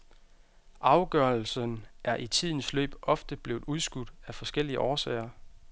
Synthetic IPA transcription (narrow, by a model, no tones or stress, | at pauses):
ʔɑ̈ʊɡ̥ɶɐlsənæɐʔit͡sʰið̰ˠn̩slø̰ːb̥ɒ̽fd̥əb̥le̝ːʊð̩ˠuðˠsɡ̥ud̥æfɒ̽sɡ̥el̰iəʔɒːsɛ̰ːɪɐ